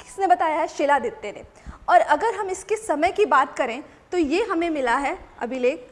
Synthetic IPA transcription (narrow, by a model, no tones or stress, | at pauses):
kɪ̥snebɐt̪aːjaɦɛʃeːlad̪eːt̪ːenḛ̃ | ɔːɾɐɡəɾɦɐmɪskesɐməjkibaːt̪kɐɾẽt̪ojeɦɐmẽmɪlaɦɛɐ̰bʱileːk